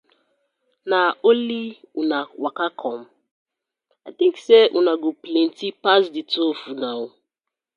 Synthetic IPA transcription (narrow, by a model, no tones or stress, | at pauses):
naoliunawakakʰɔm̩ | at̪ĩŋkseʔunaɡoplen̩tipasdɪtofunawʊ